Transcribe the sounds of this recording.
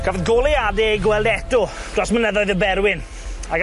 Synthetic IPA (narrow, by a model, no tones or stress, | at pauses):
ɡ̥avɛðɡolˠeadɛɡwɛlˠdɛtʊd̥rɔsmənəðɔɨðəbɛɾwɪn | aɡ